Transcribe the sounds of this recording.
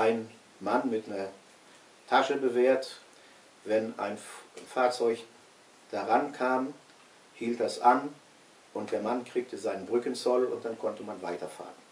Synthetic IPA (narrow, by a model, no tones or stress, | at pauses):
ʔaɪn | manmɪtnɐ | tʰaʃəbəveːɐt | vɛna̰ɪnfaːɐt͡sɔʏç | d̥aʁankʰaːm | hiːlt̚d̥asʔan | ʔʊnt̚d̥eːɐmankʁ̥iːk̚tʰəzaɪnənbʁʏkənt͡sɔlʊ̰nt̚d̥ankʰɔntəmanvaɪtɐfa̰ːʁən